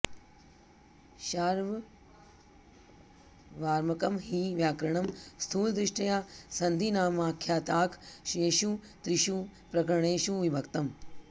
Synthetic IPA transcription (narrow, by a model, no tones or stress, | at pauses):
ʃaːɾʋ | ʋaːɾmɐkɐmɦiːʋjaːkɾɐɳɐmst̪ʰuːld̪ɾɪʂʈɐjaːsɐnd̪ʱiːnaːmaːkʰjaːt̪aːkʰʃeːʃuː | t̪ɾɪʃuːpɾɐkɾɳ̃eːʃuʋibʱɐkt̪ɐm